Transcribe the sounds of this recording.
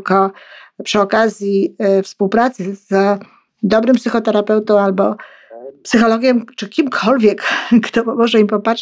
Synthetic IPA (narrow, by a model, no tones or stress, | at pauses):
kɔpʂɘɔkazʲjifspuwpɾat̪sɘz̥ | d̪ɔbɾɘmpsɘxɔt̪ɛɾapɛwt̪ɔ̃w̃albɔ | psɘxɔlɔɡʲɛmt͡ʂɘkʲimkʰɔlvʲjɛkkt̪ɔmɔʐɛimpɔpatʂ